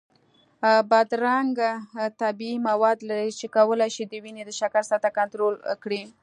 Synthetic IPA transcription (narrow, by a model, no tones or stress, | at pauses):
bad̪ɾaŋɡat̪abiːmawɑd̪laɾit͡ʃekawəlajʃid̪əwined̪əʃakaɾsat̪akant̪ɾolkɽi